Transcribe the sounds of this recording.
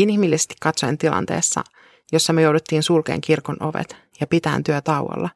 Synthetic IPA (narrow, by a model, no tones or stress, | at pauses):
inhimilːisest̪i̥kːɑt̪sojnt̪ilɑ̰nt̪e̞̰ːsːɑ̰ | jo̞sːɑmyøjowdut̪ːiːnsulkḛːŋkirkono̞ʋḛt̪ | jɑpit̪æːnt̪yæt̪ɑuwo̰lːɑ